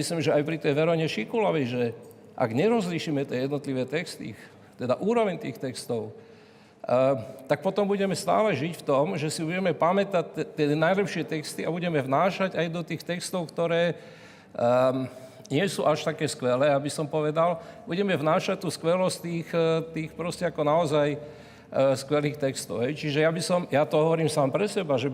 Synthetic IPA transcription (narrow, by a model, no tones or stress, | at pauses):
mislimʒɛajpɾit̪ɛjʋɛɾɔɲɛʃikulɔʋɛʒɛ | ʔa̰ɡɲɛɾɔzliʃiːmɛt̪ɪɛjɛd̪nɔt̪liʋɛːt̪ɛkst̪ḭː | t̪ɛd̪aʔuːɾɔʋɛɲt̪ḭːxt̪ɛkst̪ɔʊ | t̪ak̚pɔt̪ɔmbuɟɛmɛst̪a̰ːlɛʒicft̪ɔmʒɛsibuɟɛmɛpamɛt̪ac̪̚t̪ːɪɛnajlɛpʃɪɛt̪ɛkst̪iabuɟɛmɛvnaːʃaɟajd̪ɔt̪iːxt̪ɛkst̪ɔʊkt̪ɔɾɛː | ɲɪɛsṵːʔaʃt̪akɛːskʋɛlɛːabisɔmpɔʋɛd̪albuɟɛmɛvnaːʃac̚t̪uːskʋɛlɔst̪iːxt̪iːxpɾɔscɛakɔnaɔzaj | skʋɛliːxt̪ɛkst̪ɔ̰ʊɦɛjt͡ʃiʒɛjabisɔmjat̪ɔɦɔʋɔɾiːmsaːmpɾɛsɛbaʒɛ